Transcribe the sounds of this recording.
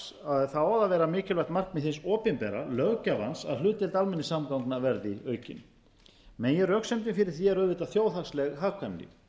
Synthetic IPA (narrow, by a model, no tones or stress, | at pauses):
aðθaɔːwðavɛːɾamɪːcɪlvɛxt̪mar̥kmɪðθɪnsɔːpɪnpɛɾa̰lœɣcava̰nsa̰ðlʏːt̪ɪlt̪almɛnːɪsamkawŋknavɛɾðɪœːɥcɪ̰n | mɛnjɛrœksɛmt̪ɪnfɪɾɪɾ̥θiɛɾœːðvɪt̪aθjoːwθakslɛɣɦaːɣkʰamlɪ̰